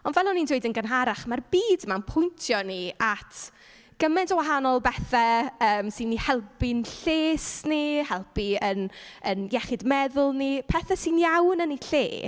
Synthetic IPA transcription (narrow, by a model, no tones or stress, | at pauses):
ɔnvɛlˠɔnindwejdənɡənɦaɾaχmarbiːdmanpʰʊjntʰjɔniatʰ | ɡ̥əmɛndəwaɦanɔlˠbɛθɛəːmsinːihɛlˠpɪnɬeːsnihɛlˠpiənənjɛχɪdmɛðʊlˠnipʰɛθɛsinjawnəniɬḛː